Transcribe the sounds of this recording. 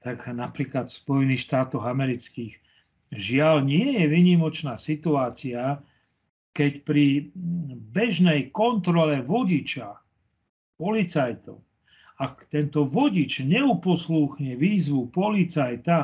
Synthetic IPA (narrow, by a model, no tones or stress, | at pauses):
t̪aknapɾiːklat̪fspɔjɛniːxʃt̪aːt̪ɔɣamɛɾit͡skiːɣ | ʒɪalɲɪɛjɛʋiɲimɔt͡ʃnaːsit̪uaːt͡sia | kɛcpɾi | bɛʒnɛjkɔnt̪ɾɔlɛʋɔɟit͡ʃa | pɔlit͡sajt̪ɔ̰ʊ | akt̪ɛnt̪ɔʋɔɟit͡ʃɲɛupɔsluxɲɛʋiːzʋupɔlit͡sajt̪a